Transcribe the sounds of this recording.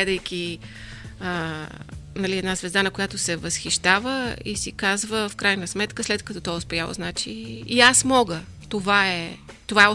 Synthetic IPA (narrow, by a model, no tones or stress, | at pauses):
ɛd̪əjkʲi | ə | nɐliɛd̪nazvɛzd̪anɐkojat̪osɛvəsxiʃt̪avəḭsikazvəfkɾajnəsmɛt̪kəslɛt̪kɐt̪ɔt̪ɔʊspɛjalˠo̰znat͡ʃiːasmɔɡə | t̪ovaɛt̪ovaɛ